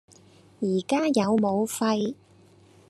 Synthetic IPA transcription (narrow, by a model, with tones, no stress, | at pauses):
jiː˨˩kaː˥jɐ˨˧wmo˨˧wfɐ˧j